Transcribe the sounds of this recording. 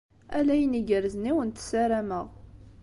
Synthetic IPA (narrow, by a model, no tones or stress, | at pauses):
ælæjniɡəɾzniwənt̪sæɾæməʁ